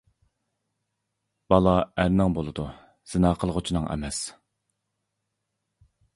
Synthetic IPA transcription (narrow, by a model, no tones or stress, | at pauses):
b̥ɑlˠɑæɾnɪŋbolˠɨd̪u | z̥ɨnɑːqʰəlˠʁʊt͡ʃʰinɨŋɛ̰mɛs